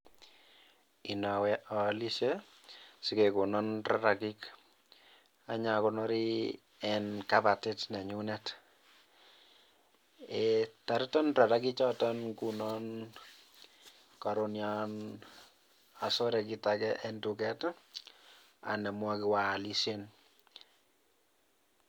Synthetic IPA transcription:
i˨na˨wɛ˦ʔɔ˨li˦ʃe˦ | si˦keku˨nɔnɾa˦ɾa˨ki˦k | a˨ɲa˨kɔnɔ˦ɾi | ɛnka˦ba˨ti˦tnɛ˨ɲu˦nɛ˦t | eta˨ɾi˦tɔ˦nra˨ɾaki˦t͡ʃɔ˦tɔnku˨nɔ˦n | ka˨ɾonja˦n | a˨so˦ɾɛ˨ki˨takɛʔɛntu˨kɛ˦t | a̰˨nɛ˨mwa˦kɪ˨wa˨li˦sen

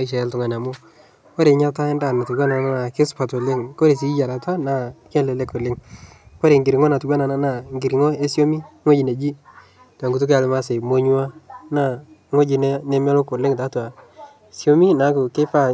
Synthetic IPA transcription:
a˦i˦ʃ̬ɛ˨˦ltʊ˨ŋa˨na˨mʊ˦ | ko˦ɾe˨ɲa˦ta˦nda˨na˨tu˨ɡwa˦na˨na˦na˨kɪ˦spa˨tʊ˨lɪ˦ŋko˦ɾe˨s̬i˦d͡ʒa˨ɾa˨ta˦na˨kɛ˦lɛ˨lɛ˦kʊ˨lɪ˦ŋ | ko˦ɾe˨ŋɡɪ˨ɾɪ˨ŋɔ˦na˨tu˨ɡa˦na˨na˦na˨ŋɡɪ˨ɾi˨ŋɔ˦e˦sjo˦mi˦ŋo˦d͡ʒi˨ne˨d͡ʒi˦ | ta˨ŋɡu˨t̬ʊ˦ka˨lɪ˨˦ma˦se˨mo˦ɲu˦a˦na˦˨˦ŋo˦d͡ʒɪ˨nɛ˦nɛ˦mɛ˦lo˦kʊ˨lɪ˦ŋta˨˦twa˨ | sjo˦mi˦na˨˦kʊ˨ke˦pa˦

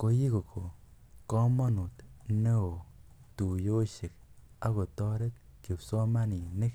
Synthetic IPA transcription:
ko˧˦ji˦ko˨ko˨ | kɔ˦mɔ˦nu˨t̪ne˦o˨ | tu˨jo˦ʃe˨k̚a˦ɣo˨tɔ˦ɾe˦t̪̚ke˨pso˦ma˦ni˨ne˦k

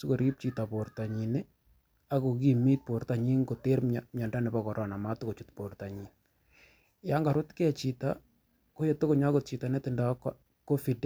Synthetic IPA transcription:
sʊ˦ko˨ɾi˦p̚t͡ʃi˨ta˨po˨ɾta˨ɲi˨nɪ˦ | a˦ko˨k̬i˨mi˦t̚po˨ɾta˨ɲi˦ŋko˨te˦ɾmamɲa˨nda˦nɪ˨pa˦kɔ˨ɾʔɔ˨na˨ma˦tʊ˦ko˨t͡ʃu˦tpo˨ɾta˨ɲi˨ŋ | ja˦ŋɡa˨ɾʊ˦tkɛ˦˨t͡ʃi˨ta˦ | ko˦je˨to˦ko˨ɲa˦kʊ˦t̚t͡ʃi˨ta˨nɛ˦tɪ˨nda˨˦k | ko˦fi˨d

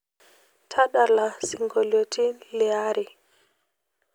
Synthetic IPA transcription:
tʰa˦ɗa˨la˨si˨ŋɡo˨lo˨tʰi˦lɛ˨a˦ɾʔi˨

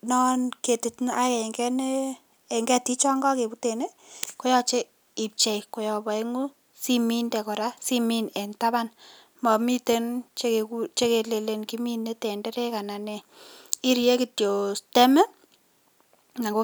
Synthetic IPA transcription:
nɔ˦nke˨ti˨tnʔa˦kɛ˨e˨ŋɡɛ˦ne˦ | e˨ŋɡɛ˦ti˦t͡ʃɔ˦ŋɡɔ˦ke˨bu˦te˨ne˦ | ko˦jɔ˦t͡ʃe˦ | i˨p̚t͡ʃe˨jko˨jɔ˨bɔ˨e˦ŋu˦ | si˦mi˦ndɛ˨kɔ˨ɾa˦si˦mi˦ne˨nta˦βa˦n | ma˨mi˦te˦nt͡ʃe˦ke˨kut͡ʃe˦ke˨le˨le˨nki˦mi˦ne˦te˨nde˦ɾe˦ka˨na˨nɛ˨ | i˦ɾje˦ki˨tjo˨ste˦mɛ˦ | na˨ŋɡo˦

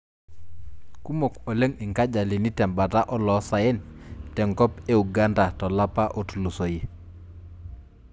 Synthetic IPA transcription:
ku˦mo˨ko˨le˦ŋi˨ŋka˦d͡ʒa˨li˨ni˦tɛ˨mba˨ta˦ʔɔ˦lɔ˨˦sa˨jɛ˦ntɛ˨ŋkɔ˦pe˦u˨ɡa˦nda˨tɔ˨la˦pa˦ʔo˨tu˨lu˨so˨ji˨

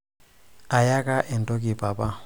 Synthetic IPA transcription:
a˨ja˦kʼa˦ʔɛ˨n˨dʼo˦kʼi˨pʼa˨pʼa˦

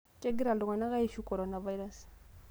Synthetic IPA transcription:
t͡ʃe˦ɡi˦ɾa˨lu˨ŋa˨na˦ɣa˦i˦ʃu˦ko˨ɾo˦˨na˨va˦i˦ɾa˦˨s

